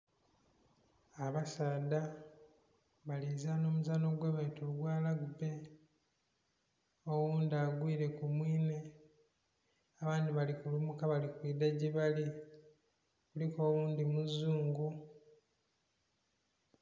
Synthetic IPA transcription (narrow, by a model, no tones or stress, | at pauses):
aβasaːda | βalizaːno̞ːmuzaːno̞ɡweːβaitoluɡwaːlaɡube̞ | owuːndiaɡwiːɾe̞kumwiːne̞ | aβaːndiβalikulumukaβalikwiːdaɟiβali | kuliko̞ːβuːnd̪imuzːuːŋɡu